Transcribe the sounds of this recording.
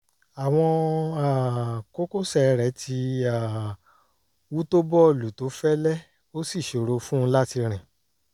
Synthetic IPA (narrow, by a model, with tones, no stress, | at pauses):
a˨w̃ɔ̃˧a˦˨ko˦ko˦sɛ˦˨˧ɾɛ˨˦tʰi˧a˨ | wu˦to˦bɔ˦˨lu˨to˨˦fɛ˦lɛ˦ | o˦si˦˨ʃo˨ɾo˨˧fũ˦˧˦la˦ti˧ɾ̃ɛ̃˨